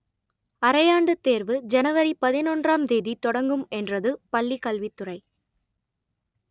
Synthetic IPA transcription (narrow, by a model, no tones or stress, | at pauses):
ɐɾɐjaːɳɖɯt̪ːeːɾʋɯd͡ʒɛnɐʋɐɾipɐðɪnɔndraːmd̪eːðit̪ɔɽɐŋɡɯmɛndrɐðɯpɐlːikɐlʋit̪ːʊrɐɪ